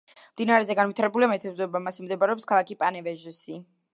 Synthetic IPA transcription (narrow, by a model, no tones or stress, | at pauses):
md̪inaɾɛzɛɡanvwit̪ʰaɾɛbuliamɛt̪ʰɛbzɔɛbamasimd̪ɛbaɾɛɔpskʰalˠakipʼanɛvɛʒisi